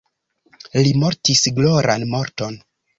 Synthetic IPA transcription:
limo̞ɾtisɡloɾʔanmoɾto̞n

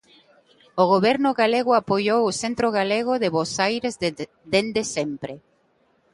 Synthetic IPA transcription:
oɣoβɛɾnʊɣaleɣʊapojowʊsent̪ɾoɣaleɣ̞ʊðeβosajɾez | d̪end̪esempɾe

